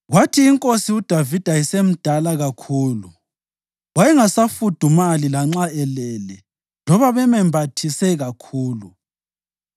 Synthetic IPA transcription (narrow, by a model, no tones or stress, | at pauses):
ɣwatʰiːŋkʼosiud̥ʱavid̥ʱaisem̩d̥ʱalaɣakʰuːlu | ɣwajɛŋasafud̥ʱumalilaŋ͡ǁaɛlɛlɛ | lɔβaβɛmɛmbʱatʰisɛɣakʰuːlu